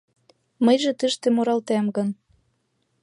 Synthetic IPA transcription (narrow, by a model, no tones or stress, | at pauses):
məjʒĕt̪əʃt̪ĕmoɾɑlt̪æmɡɤ̆n